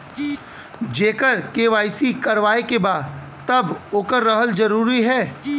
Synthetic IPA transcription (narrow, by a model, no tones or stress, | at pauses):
d͡ʒeːkəɾkeːʋaːisikɐɾʋaːekebaːd̪ | t̪ɐboːkəɾːɐɦəld͡ʒɐɾuːɾiɦɛː